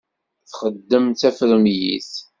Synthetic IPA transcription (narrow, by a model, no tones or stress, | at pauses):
θχəd̪ːəmt̪æfɾəmjḭθ